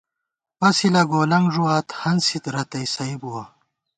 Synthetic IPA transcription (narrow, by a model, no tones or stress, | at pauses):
pɐsilɐɡoːlɐŋɡʐuaːt̪hɐnsit̪ɾɐt̪ɐjsɐibuwɐ